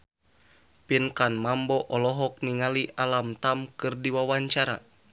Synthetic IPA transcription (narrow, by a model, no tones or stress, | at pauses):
pinkanmambɔʔɔlɔɦɔk̚niŋaliʔalamt̪amkɨrdiwawaɲt͡ʃaɾa̰